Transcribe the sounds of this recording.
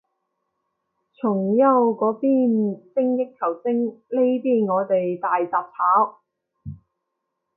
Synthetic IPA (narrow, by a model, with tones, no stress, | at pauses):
t͡sʰʊ˨˩ŋjɐ˧wkɔː˨˥piː˥˩nsɪ˥ŋjɪ˥kkʰːɐ˨˩wt͡sɪ˥ŋle˥jt̪iː˥ŋɔː˨˧t̪e˨jt̪aː˨jt͡saː˨p̚haː˨˥w